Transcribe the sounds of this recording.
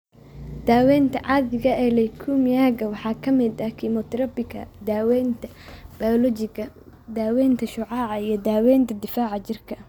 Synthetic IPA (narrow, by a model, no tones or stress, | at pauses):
d̪̥aːwɛːnt̪ʰɐʕɑːðɪɣɐʔɛlɛkʰumjaːɣɐwɑħɑːkʰɐmɪd̪ɐkʰimɔt̪ʰɾɐpɪkɐ̰d̪aːwɛnt̪ʰɐ̥ | b̥aɔlɔt͡ʃɪɡɐd̪aːwɛːnt̪ʰɐʃʊʕɑːʕɑijɞd̪aːwɛːnt̪ʰɐd̪ɪfaːʕɑt͡ʃɪrkʰɐ